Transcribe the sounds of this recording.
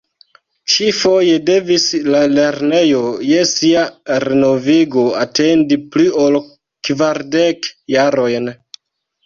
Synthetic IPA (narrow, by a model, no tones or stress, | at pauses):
t͡ʃifo̞je̞de̞vislale̞ɾne̞jo̞je̞siaɾeno̞viɡo̞atʰe̞ndiplio̞l | kvaɾdekjaɾo̞jn